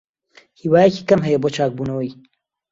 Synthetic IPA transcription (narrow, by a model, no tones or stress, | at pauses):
hiːwaːjɐcikɐmɦɐjɐboːt͡ʃʰaːk̚buːnɐwɐj